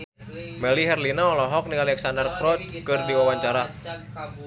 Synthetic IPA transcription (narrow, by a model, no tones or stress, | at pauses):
mɛliɦɛrlinaɔlɔɦɔk̚nialɛksandərkɾɔt̪̚kɨrdiwawaɲt͡ʃaɾa